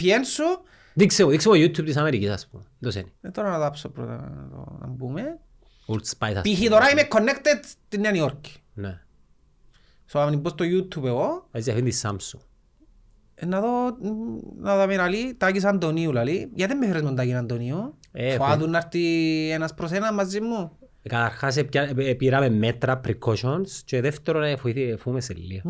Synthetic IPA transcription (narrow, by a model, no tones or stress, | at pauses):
piensu | d̪iksemoðiksemojut̪ʰjub̪̚is̬ameɾikisa̰spund̪oseniet̪oɾanaðapsopɾo̰t̪a̰nt̪o̰na̰mbume | uɾspajt̪a̰piɦiðoɾaimekʰːonːekt̪ed̪t̪inːeanioɾki̥ne | soamnimbost̪ojut̪ʰːupeɣoaziafind̪isa̰msu | enːaðo | naðameɾalit̪akis̬and̪oniulalijat̪emːefɾezmund̪akinand̪oniuefoaðunːaɾt̪ienaspɾos̬enamazːimːu | kaθaɾxas̬epapiɾamemːet̪ɾapɾikoʃonst͡ʃoðeft̪eɾonefuiθifumeselːi